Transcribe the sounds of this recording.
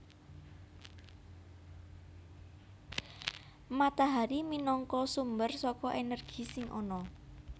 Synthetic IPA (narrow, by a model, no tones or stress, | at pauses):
mat̪aɦaɾiminɔŋkɔsumbərsɔkɔʔenərɡ̥i̤sɪŋʔɔ̰nɔ